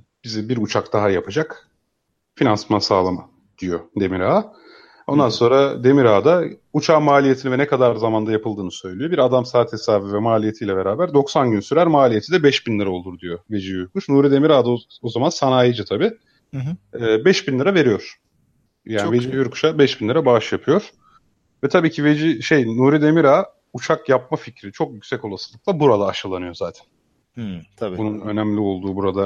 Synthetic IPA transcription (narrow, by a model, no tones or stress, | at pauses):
bizibiɾut͡ʃʰakd̪aɦajapʰad͡ʒak | finansmansa̰ːlˠama̰ | d̪̥ijo̞d̪e̞miɾa | o̞nd̪anso̞nɾad̪e̞miɾaːd̪aut͡ʃʰaːmaːlʲijet̪ʰinivɛnɛkʰad̪aɾzamand̪ajapɯlˠd̪ɯːnɯsø̞jlʲijo̞biɾad̪amsaːt̪ʰesaːvivɛmaːlʲije̞t̪ʰijlʲɛbe̞ɾaːbæɾd̪o̞ksanɟynsyɾæɾmaːlʲije̞t̪ʰid̪ɛbɛʃbinlʲˠɯɾao̞lˠuɾd̪ijo̞ve̞d͡ʒijuɾkuʃnuːɾid̪e̞miɾaːd̪aozamansanaːjid͡ʒɯt̪ʰabiː | bɛʃbinlʲˠiɾave̞ɾijo̞ɾ̥ | jaːnived͡ʒibijuɾkʰu̥ʃabɛʃbinlʲˠiɾabaʃjapʰɯjo̞ɾ̥ | vɛt̪ʰabiːcʰive̞d͡ʒiʃe̞jnuːɾid̪e̞miɾaː | ut͡ʃʰakjap̚maficɾit͡ʃʰo̞kjycʲsɛco̞lˠasɯlˠɯk̚lˠabuɾad̪aːʃɯlˠanɯjo̞zaːt̪ʰæ̥nʰ | abununø̞næmlʲio̞lˠd̪uːbuɾad̪a